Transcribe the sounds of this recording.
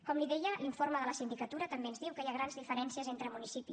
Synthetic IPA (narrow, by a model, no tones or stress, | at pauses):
kɔmliðɛjəiɱfoɾməðələsind̪ikət̪uɾət̪əmbeənzðiwkəjaɣɾanzðifəɾɛnsiəzent̪ɾəmunisipi